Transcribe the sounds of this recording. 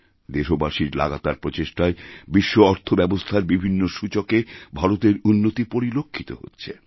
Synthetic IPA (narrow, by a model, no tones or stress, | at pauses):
d̪eʃobaʃiɾla̰ɡat̪aɾpɾot͡ɕeʃʈaebiʃːoɔɾt̪ʰobɛbost̪ʰaɾbibʱinːoʃut͡ɕokebʱaɾot̪eɾunːot̪ipoɾilokʰːit̪o̰ho̰tːɕʰe